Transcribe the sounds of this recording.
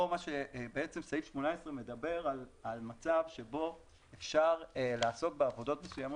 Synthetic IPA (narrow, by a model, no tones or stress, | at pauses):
omaʃebeet͡se̞msaifʃmonaesʁeme̞d̪abe̞ʁalalmat͡savʃe̞bo̞ | efʃaʁelaːso̞k̚beavo̞do̞tmesujamo